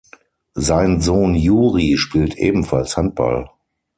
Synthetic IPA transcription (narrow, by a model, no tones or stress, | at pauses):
zaɪnzoːnjuːʁiʃpiːltʔḛːbm̩falshant̚b̥a̰l